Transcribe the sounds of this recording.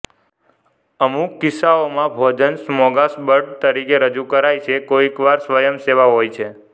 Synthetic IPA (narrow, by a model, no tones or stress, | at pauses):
əmukːɪsaomãbʱɔd͡ʒənsmɔɡasbəɾɖt̪əɾikeɾəd͡ʒukəɾajt͡ʃʰekoikʋaɾsʋəjəmseʋaɦojt͡ʃʰe